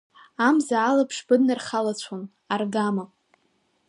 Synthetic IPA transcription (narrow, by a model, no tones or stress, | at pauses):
amzaːlapʰʂbɨdnarχalat͡ɕʷʰon | arɡama